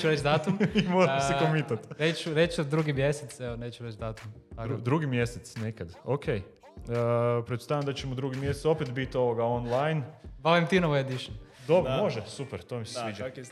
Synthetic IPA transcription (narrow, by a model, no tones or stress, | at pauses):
t͡ʃuɾet͡ʃd̪aːt̪umimoɾamsekomit̪at̪ɾet͡ʃuɾet͡ʃd̪ɾuːɡimjeset̪seoneːt͡ʃuɾet͡ʃd̪aːt̪umaɾud̪ɾuɡimjeset̪snekad̪okʰej | pɾed̪ust̪aːjamd̪at͡ɕemod̪ɾuɡimjesetso̞pet̪bit̪o̞ʋoɡaonlajnbalimt̪inoʋoed̪iʃn | d̪obɾomo̞ʒesupeɾt̪omissiːd͡ʒa